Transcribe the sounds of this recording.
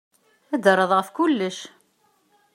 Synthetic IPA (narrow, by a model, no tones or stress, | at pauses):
æd̪ərˤːəðˤʁəfkʊlːəʃ